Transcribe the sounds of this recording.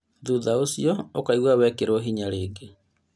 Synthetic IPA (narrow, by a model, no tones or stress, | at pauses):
ðuðaosiɔokaiɣwawɛkeɾoɦiɲaɾeːɡe